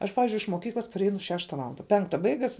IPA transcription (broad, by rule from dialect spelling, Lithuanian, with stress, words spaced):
ˈɐʃ ˈpɑːʋʲɪzʲd͡ʒʲʊɪ ɪʃ moːˈkʲiːklˠɐs pɐrʲˈɛɪnʊ ˈʃʲæːʃtɐ ˈʋɑːlˠɐndɐ ˈpʲɛŋktɐ ˈbɐɪɡɐs